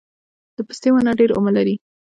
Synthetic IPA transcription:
d̪̥əpə̥st̪ewanaɖeɾo̰malaɾi

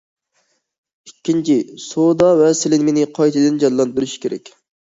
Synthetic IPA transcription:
ikʲːint͡ʃʰisod̪ɑvɛsɪlɪnmenɪqʰɑjt̪ʰɨd̪ɪnd͡ʒɑnlˠɑnd̪yɾyʃkʲeɾɛ̰kʲ

